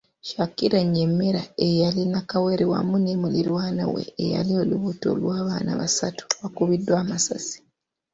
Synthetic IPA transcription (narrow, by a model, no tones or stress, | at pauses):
ʃakːiɾaɲemːeɾaejalinakawe̞ɾewa̰munemuliɾwaːna̰wḛːja̰lio̞luβuto̞̰lwaːβaːna̰βasatu̥βakuβidːwaːmasazi̥